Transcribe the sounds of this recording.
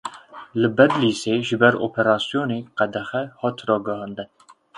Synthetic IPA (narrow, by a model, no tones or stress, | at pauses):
lɨbɛd̪liːseːʒɨbɛɾo̰ːpʰɛɾɑːsijoːneːqɛd̪ɛxɛhɑːt̪rɑːɡɨhɑːnd̪ɨn